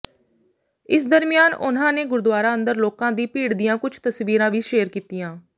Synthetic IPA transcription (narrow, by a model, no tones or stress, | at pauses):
ɪs̬d̪əɾmɪjaːnʊ̰n̤ãːneːɡʊɾd̪ʊaːɾaːə̃nd̪əɾloːkãːd̪iːpiːɽd̪ijãːkʊt͡ʃʰt̪əsʋiːɾãːʋiːʃeːəɾkiːt̪ijãː